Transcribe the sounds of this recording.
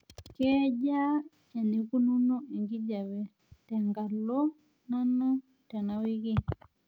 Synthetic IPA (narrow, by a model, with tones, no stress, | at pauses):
kɛ˦d͡ʒa˦ | a˨ne˨ku˦nu˦nu˦e˨ŋɡi˦d͡ʒa˨wɛ˨ | tɛ˨ŋɡa˨lo˦ | na˦nɔ˦ | tɛ˨na˨wi˦ki˦